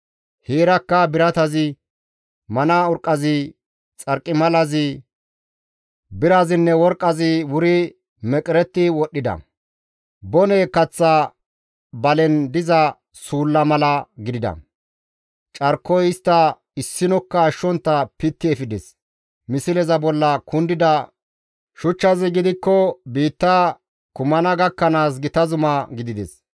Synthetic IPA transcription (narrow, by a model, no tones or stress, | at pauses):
heːɾɐkːɐbɪɾɐt̪ɐzɪ | mɐnaɔɾkʼːɐzɪ | t͡sʼɐɾkʼːɪmɐlɐzɪ | bɪɾɐzɪnːɛwɔɾkʼːɐzɪwʊɾɪ | mɛkʼɪɾɛt̪ːɪwɔɗːɪd̪ɐ̰ | bɔnɛːkɐt͡sːa | bɐlɛnd̪ɪzɐ | suːlːɐmɐlɐɡɪd̪ɪd̪ɐ̰ | t͡ʃʼɐɾkːɔjɪst̪ːɐ | ɪsːɪnɔkːɐːʃːɔnt̪ːɐpɪt̪ːɪɛfɪd̪ɛs | mɪsɪlɛzɐbɔlːɐkʊnd̪ɪd̪ɐ | ʃʊt͡ʃːɐzɪɡɪd̪ɪkːɔbiːt̪ːɐ | kʊmɐnɐɡɐkːɐnaːs̬ɡɪt̪ɐzʊmɐɡɪd̪ɪd̪ɛ̰s